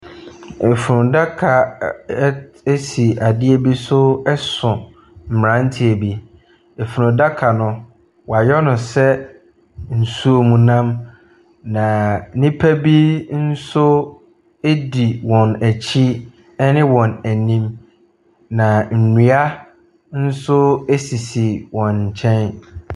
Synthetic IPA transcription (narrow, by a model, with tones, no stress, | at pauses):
e˨fu˨ɾʊ̃˨da˦kʰa˨˦ | e˦si˨a˨dɪ˦ɛ˦bi˦sʊ˦ɛ˦sʊ̃˨ | m̩˨m˨ɾã˦n˦tʰi˦ɛ˨bi˦ | e˨fu˨ɾʊ̃˨da˦kʰa˨nʊ̃˦ | wa˨jɔ˦nʊ̃˨sɛ˦ | n̩˨su˦o˦˨mũ˨nã˦m | nã˨nĩ˦pʰæ˦bi˦n̩˦sʊ˦ | e˦di˨wɔ̃˨næ˨t͡ɕʰi˦ | ɛ˦nɪ̃˦wɔ̃˨næ˨nĩ˦m | nã˨n̩˨ni˨a˦ | n̩˦sʊ˦e˦si˨si˨wɔ̃˨ɲ̩˨t͡ɕʰɛ̃˦n